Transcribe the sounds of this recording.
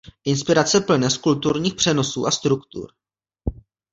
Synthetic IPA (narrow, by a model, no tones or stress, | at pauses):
ʔɪnspɪɾat͡sɛpl̩nɛskult̪uɾɲiːxpr̝̥ɛno̞sṵːʔast̪ɾukt̪ṵɾ